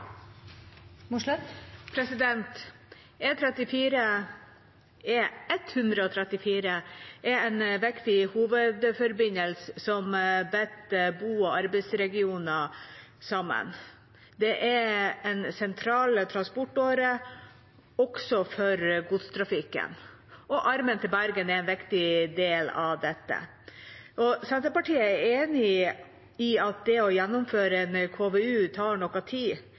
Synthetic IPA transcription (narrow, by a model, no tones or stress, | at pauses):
pʰɾɛsɪd̪ɛnt̪ | ɛt̪ʰɾɛt̪ɪfiːɾə | ɛɛt̪hʉnd̪ɾəɔt̪ʰɾɛt̪ɪfiːɾəʔɛɛnʋɪkt̪ɪhuːʋəd̪fɔɾbɪnəlsəsɔmbɛt̪buːɔɑɾbəɪsɾɛɡɪuːnə | sɑmːə̰n | d̪ɛʔɛɾɛnsɛnt̪ʰɾɑːlət̪ʰɾɑnspɔʈːoːɾə | ɔksɔfɔɾɡut̪st̪ʰɾɑfɪkːə̰n | ʔɔʔɑɾmənt̪ʰɪlbæɾɡənɛɾɛnʋɪkt̪ɪd̪eːlɑʋd̪ɛt̪ːə̰ | ʔɔsɛnt̪ɾəpɑʈiːəæɾeːnɪ | ɪɑt̪̚d̪ɛɔjɛnːɔmføːɾəɛnkʰoːʋeʉːt̪ʰɑːɳɔkːɑt̪ʰiː